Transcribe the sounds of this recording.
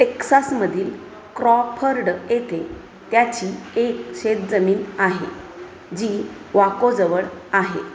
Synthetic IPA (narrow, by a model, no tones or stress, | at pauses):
ʈeksasməd̪ʱiːl | kɾɔpʰəɾɖjet̪ʰe | t̪jat͡ɕiːekɕet̪̚d͡zəmiːnaɦḛ | d͡ʑiː | ʋakod͡zəʋəɭaɦḛ